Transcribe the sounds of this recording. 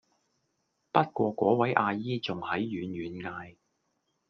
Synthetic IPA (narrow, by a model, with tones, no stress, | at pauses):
pɐ˥t̚kʷɔː˧kʷɔː˨˥wɐ˨˥jʔaː˧jiː˥t͡sʊ˨ŋhɐ˨˥jːyː˨˧nɥyː˨˥nŋaː˧j